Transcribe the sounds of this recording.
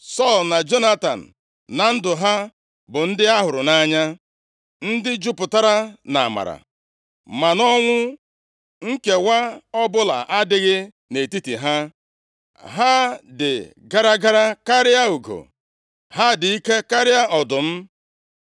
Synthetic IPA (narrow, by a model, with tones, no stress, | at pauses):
sɔ˦˨lna˨d͡ʒo˦na˦ta̰˨n̩˨ | na˨n̩˦dʊ˨ɦa˦ | bʊ˨n̩˦dɪ˦a˦ɦʊ˨ɾʊ˨na˦ɲa˦ | n̩˦dɪ˦d͡ʒʊ˦pʊ˨ta˦ɾa˦na̰˨ma̰˨ɾa̰˨ | ma˨nɔ˦ŋʷʊ˦ | ŋ̩˦ke˨wa˦ɔ˦bʊ˦la̰˨ʔa˦dɪ˦ɣɪ˦ | ne˨ti˦ti˨ɦa˦ | ɦa˦dɪ̰˨ | ɡa˦ɾa˦ɡa˦ɾa˦ka˦ɾɪ˦a˦u˨ɡo̰˨ | ha˦dɪ˨i˦ke˦ka˦ɾɪ˦a˦ʔɔ˨dʊ˨m̩˦